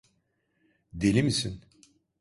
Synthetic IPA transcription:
d̪elʲimisin

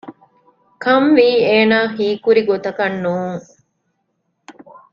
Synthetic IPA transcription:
kɐmʋiːeːnaːxiːkuɾiɡot̪ɐkɐnːuːŋ

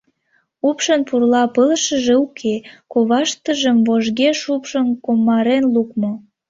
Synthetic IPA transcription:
upʃənpurlɑpəlʃəʒeukʰekoβɑʃt̪əʒəmvoʒɣeʃupʃənkomːɑɾenlukmo

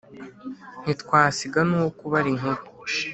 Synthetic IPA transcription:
n̥itkwaːsiɡanuːwokuβaɾiŋu

